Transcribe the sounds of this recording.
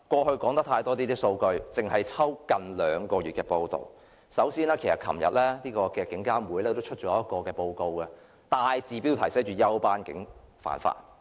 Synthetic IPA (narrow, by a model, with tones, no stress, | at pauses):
kʷɔː˧hɵ˧ɥkɔː˨˥ŋt̪ɐ˥k̚t̪ʰaː˧jt̪ɔː˥t̪iː˥t̪iː˥so˧wkɵ˧ɥt͡sɪ˨ŋhɐ˨jt͡sʰɐ˥wkɐ˨nlœː˨˧ŋkɔː˧ɥyː˨t̚kɛː˧po˧wt̪o̰˨˩w | sɐ˨˥wsiː˥nɛː˥kʰe˨˩sɐ˨t̚kʰɐ˨˩mjɐ̰˨t̚lɛː˥niː˥kɔː˧kɛː˧kɪ˨˥ŋkaː˥muː˨˥jlɛː˥t̪o˥wt͡ʃʰɵ˥t̚t͡ʃɔː˨˥jɐ˥t̚kɔː˧kɛː˧po˧wko˧wkɛ˧ | t̪aː˨jt͡siː˨piː˥wt̪ʰɐ˨˩jsɛː˨˥t͡ʃyː˨˩jɐ˥wpaː˥nkɪ˨˥ŋfa̰ː˨nfa̰ː˨˩t̚